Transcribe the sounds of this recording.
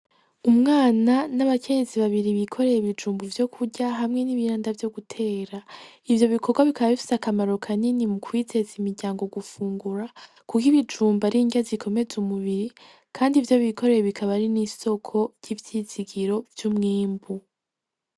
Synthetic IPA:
umŋaːnanaβakʰe̞ɲe̞ziβaβiɾiβikʰo̞ɾe̞jiβid͡ʒuːmbuvjo̞kʰuɟaɦamŋe̞niβiɾaːndavjo̞ɡutʰe̞ːɾaivjo̞βikʰo̞ɡwaβikʰaβaβifi̥seakamaɾo̞kʰaninimukʰwiːze̞zimiɾɟaːŋɡo̞ɡufuːŋɡuɾa | kukiβid͡ʒuːmbaɾiɲɡazikʰo̞me̞zumuβiɾi | kʰaːndivjo̞βikʰo̞ɾe̞jeβikʰaβaɾiniso̞kʰo̞ɾjivjiːziɡiɾo̞vjumŋiːmbu

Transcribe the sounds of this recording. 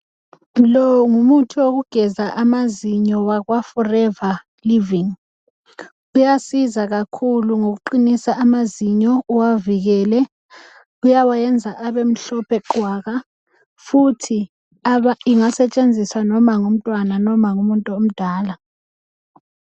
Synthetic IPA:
lɔŋumutʰuok̬uɡ̥ʱɛzaʔamaziɲɔwak̬wafɔrɛva | liviŋ | ujasizak̬akʰuluŋok̬uǃinisaʔamaziɲɔuwavik̬ɛːlɛ | ujawajɛnd͡zʱaʔaɓem̩ɬɔpʰɛǃʱwaːk̬a | futʰi | aɓaiŋasɛt͡ʃʼend͡zʱiswanɔmaŋum̩tʼwananɔmaŋumuntʼɔom̩d̥ʱaːla

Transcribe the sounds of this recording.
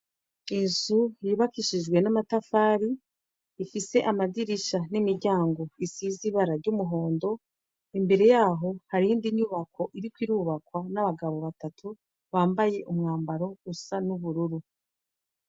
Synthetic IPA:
inzujiβakiʃid͡ʒɡwe̞namatafaːɾiː | fise̞ʔamadiɾiʃanimiɾɟaːŋɡo̞isiziβaɾaɾɟumuɦo̞ːndo̞ | imbe̞ɾe̞jaːɦo̞haɾindiɲuβakʰo̞ʔiɾikwiɾuːβakwanaβaɡaβo̞βatatʰu | βaːmbaje̞ʔumŋaːmbaɾo̞usanuβuɾuɾu

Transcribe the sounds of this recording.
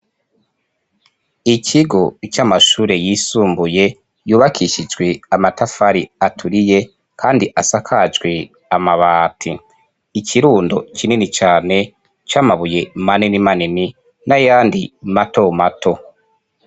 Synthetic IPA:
icʰiɡo̞it͡ʃamaʃuːɾe̞jiːsuːmbuje̞ | juːβakʰiʃid͡ʒɡweamatafaɾiatʰuɾije̞ | kʰaːndiʔasakʰad͡ʒɡwe | amaβaːtʰiː | cʰiɾuːndo̞cʰininit͡ʃaːne̞ | t͡ʃaːmaβuje̞maninimanini | najaːndimato̞matʰo̞

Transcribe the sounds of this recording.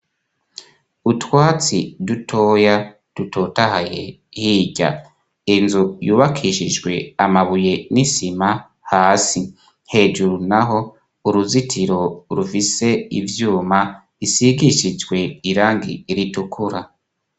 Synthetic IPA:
utwaːt͡sidutʰo̞ːja | d̥uto̞tahaje | hiːɟa̰ | inzujuːβakʰiʃid͡ʒɡwe̞amaβuje̞nisima | haːsi̥ | he̞ːd͡ʒuɾunaɦo̞ | uɾuzitʰiɾo̞ɾufise̞ḭvjuːma | isiɡiʃid͡ʒwe̞iɾaːŋɡḭɾitukʰuɾa

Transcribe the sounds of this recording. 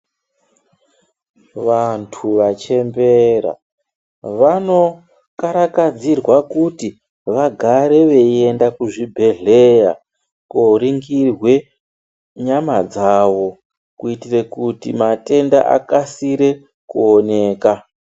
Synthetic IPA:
ʋantʰuʋat͡ʃe̞mbe̞ɾa̰ | ʋano̞ | kaɾakad͡zirwakuti | ʋaɡʱaɾe̞ʋe̞e̞ndakuʐibʱe̞ɮeja̰ | koɾiŋɡirwe̞ | ɲamad͡zaːʋo̞ | kuitire̞kutimate̞nda̰ʔa̰kasiɾe̞ | kuone̞ːka

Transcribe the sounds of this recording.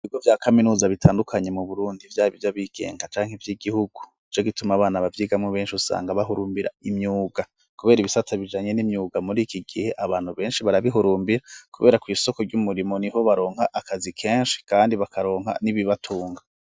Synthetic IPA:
βiɡovjaːkaminuːzaβitʰaːndukʰaɲe̞muβuɾuːndivjaːɾiβivjaβiːɡ̥e̞̰ːŋɡat͡ʃaːŋ̥hevjiːɡihuɡ̥uit͡ʃoɡitumaβaːnaβavjiːɡamŋoβe̞ːnʃiusa̰ːŋɡaβaɦuɾuːmbiɾa̰imɲuːɡa | kuβe̞ːɾiβisat͡saβid͡ʒaːɲe̞nimɲuːɡamuɾiːkiɡihe̞ʔaβaːn̥huβe̞ːnʃiβaɾaβiɦuɾuːmbiɾakuβe̞̰ːɾakwiːso̞ko̞ɾɟumuɾimo̞niɦo̞βaɾo̞ːŋhaʔːkazikʰe̞ːnʃi̥kaːndiβakaɾo̞ːŋɦa̰niβiβatʰuːŋɡa

